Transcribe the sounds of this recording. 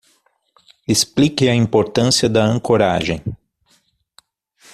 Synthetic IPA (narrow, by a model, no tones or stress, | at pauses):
esplikeɐĩmpoɾt̪ɐ̃siɐd̪ɐɐ̃ŋkoɾa̰ʒḛ̃j̃